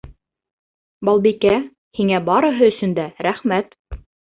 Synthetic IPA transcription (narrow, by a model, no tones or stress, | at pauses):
bɑlˠbikæ | hiŋæbɑɾɤ̆ɦɤɵ̆sɵ̆nd̪æɾæχmæt̪